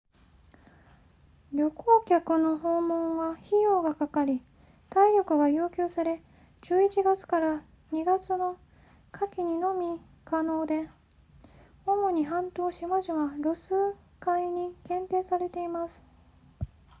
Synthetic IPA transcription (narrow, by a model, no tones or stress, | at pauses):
ɾʲo̞kʰoːkʲakɯ̟no̞ɦo̞ːmõɰ̃βaçijo̞ːɡakakaɾʲi | t̪aiɾʲo̞kɯ̟ɡajɯ̟ːkʲoːsaɾe̞ | d͡ʑɨːit͡ɕiɡat͡sɨ̥kaɾa | ɲ̟iɡat͡sɨno̞ | kʰakʲiɲ̟ino̞mʲi | kano̞ːd̪e̞ | omo̞ɲ̟iɦãnt̪o̞ːɕimaʑiβaɾosɨ | kaiɲ̟ikẽ̞nt̪e̞ːsaɾe̞t̪e̞imasɨ̥